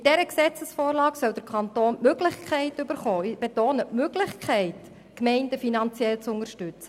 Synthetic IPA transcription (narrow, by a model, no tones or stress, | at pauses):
d̥ɛɾəksɛt͡səsfoːɾlɑːksœld̥əɾkʰɑnt̪oːnmøɡlɪχkʰɛɪtybəɾχɔːɪb̥etoːnətmøɡlɪχkʰɛɪt | kmɛɪndəfinɑnt͡sjɛlt͡sʊŋəɾʃtʏt͡sə